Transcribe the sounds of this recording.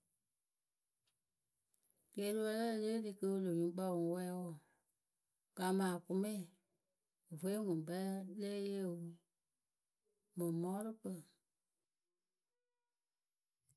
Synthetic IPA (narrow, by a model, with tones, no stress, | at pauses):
ɡe˨˦tɨ˦wə˧˦la˦leː˦dɨ˧kə˧˦lo˨ɲũ˨˦k͡pa˧˨ũ˨˦wɛ˧˦wɔ˦˨ | ɡ̥a˨mãː˨ku˧mẽ˦˨ | ve˨e˦ŋũ˨bə˦lle˦je˦˨wu˨˦ | mə̃˨mɔ̃˦ɾɨ˦k͡pə˨